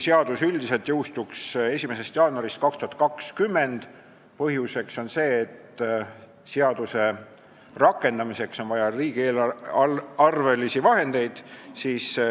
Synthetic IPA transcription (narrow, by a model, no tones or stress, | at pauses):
seɑd̪̥usylʲd̪ise̞lt̪jɤwst̪ukse̞sʲime̞se̞st̪jɑːnuɑɾist̪̚kɑkst̪uhɑt̪̚kɑkskymːe̞nd̪̥ | pɤɦjuse̞kso̞nse̞ːt̪ | seɑd̪̥use̞ | rɑkːˑe̞nd̪ɑmise̞kso̞nvɑjɑɾiːɡ̥ieːl | ɑrve̞lisivɑɦe̞nd̪̥e̞jd̪̥siːs